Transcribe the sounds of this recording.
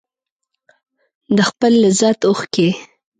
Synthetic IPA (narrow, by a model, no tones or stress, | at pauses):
d̪əxpəlːəzɑt̪oxke